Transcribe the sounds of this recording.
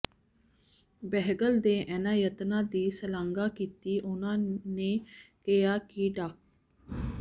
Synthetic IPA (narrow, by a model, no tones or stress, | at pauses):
bɛɦəɡəld̪eʔɛnajət̪ənaːd̪iːsəlaŋɡaːkit̪ːiːʔonaːneːkejaːkiːɖak̚